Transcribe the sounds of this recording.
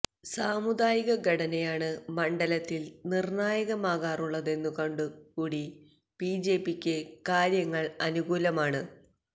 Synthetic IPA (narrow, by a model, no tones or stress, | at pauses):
saːmud̪aːjiɣɐɡɐɽɐnejaːɳɨmɐɳɖɐlɐt̪ːilnirnaːjɐɣɐmaːɣaːruɭːɐðe̞nːukoɳɖukuːɽi | piːd͡ʑe̞ːpikʲːɨkaːɾjɐŋːɐɭɐnuɣuːlɐmaːɳɨ